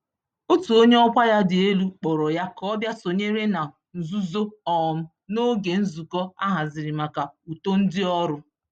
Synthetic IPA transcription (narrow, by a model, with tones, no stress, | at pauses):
o˦tu˨o˦ɲe˦ɔ˦kʷa˦ja˦dɪ˨e˦lu˦k͡pɔ˨ɾɔ˨ja˦kɔ˦bja˦so˨ɲe˦ɾe˦na˨ | n̩˨zu˦zo˦ɔ˨m̩˦ | no˦ɡe˨n̩˦zu˨kɔ˦a̰˦ɦa˨zɪ˨ɾɪ˨ma˨ka˨u˨to˦n̩˦dɪ˦ɔ˦ɾʊ˦